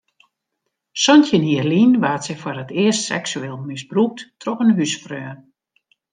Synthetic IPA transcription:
sɔntjəniərlinʋaːtsɛfɔrətɪəstsɛ̰ksyeːlˠmɪsbruk̚ttrɔxənɦysfrøːn

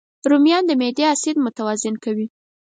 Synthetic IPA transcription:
ɾumjɑnd̪əmed̪easid̪mʊt̪awɑzɪnkawi

